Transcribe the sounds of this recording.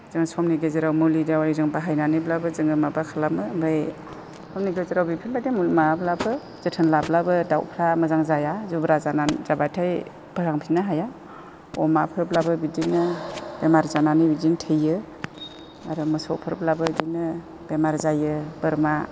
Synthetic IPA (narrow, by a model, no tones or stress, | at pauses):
z̥ɯŋsɔmniɡezeɾawmulidawaizɯŋbaɦajnanɯblabɯzɯŋɯmabakʰalamɯmbaj | sɔmniɡezeɾawbipʰilbademulmablabɯ | zɯtʰɯnlablabɯdawpʰɾaməzaŋzajazubɾazanazabatʰaj | pʰəɾaŋpʰinaɦaja | ɔmapʰɯɾblabɯbidinɯbemaɾzananɯbidiŋtʰɯjɯ | aɾumɯsɔ̰wpʰɯɾblabɯdinɯ | b̥emaɾzajɯbɯɾma